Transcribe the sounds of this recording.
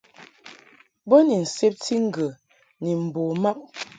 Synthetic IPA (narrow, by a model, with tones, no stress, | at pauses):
bə˦ni˨n̩˨se˦p̚tʰi˦ŋ̩˦˨ɡə˨ | ni˨m̩˨bo˨ma˦p̚